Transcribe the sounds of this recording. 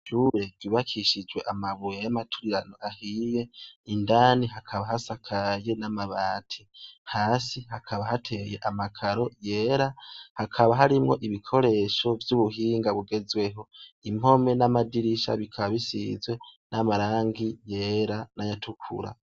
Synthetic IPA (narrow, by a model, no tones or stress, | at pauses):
ʒuɾe̞viβakʰiʃid͡ʒwe̞ʔamaβujejamatʰuiɾanoʔahiːje̞indaːniɦakʰaβaɦasakʰaje̞namaβaːtʰihaːsihakʰaβahatʰe̞je̞ʔamakʰaɾo̞je̞ːɾahakʰaβaɦaɾimŋo̞ʔiβikʰo̞ɾe̞ːʃo̞vjuβuɦiːŋɡaβuɡe̞zwe̞ɦo̞im̥o̞me̞namadiɾiʃa̰βikʰaβaβisḭzwe̞namaɾaːŋɡije̞ːɾanajatʰukʰṵɾa̰